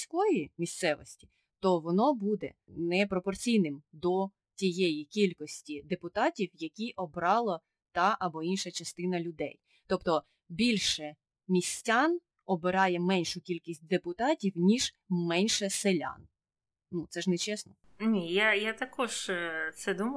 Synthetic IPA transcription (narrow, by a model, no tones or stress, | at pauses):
sʲkɔjimʲist̪sɛʋɔ̰sʲtʲi̥ | t̪ɔʋɔnɔbud̪ɛ̰nɛpɾɔpɔrt͡sʲijnɪmd̪ɔ | tʲijejikʲilʲkɔsʲtʲid̪epʊt̪ɑtʲiwjɐkʲiʔɔbɾɑlˠɔ | t̪ɑʔɐbɔinʃɐt͡ʃɐst̪ɪnɐlʲʊd̪ɛ̰j | t̪ɔpt̪ɔ | bʲilʲʃɛ | mʲisʲtʲɑn | ɔbɪɾɑjɛmɛnʲʃʊkʲilʲkʲisʲt̚ʲd̪epʊt̪ɑtʲiwnʲiʒ̥ | mɛnʲʃɛselʲɑ̰n | nut̪sɛʒnɛt͡ʃɛsnɔ | nʲijajat̪ɐkɔʒsɛd̪um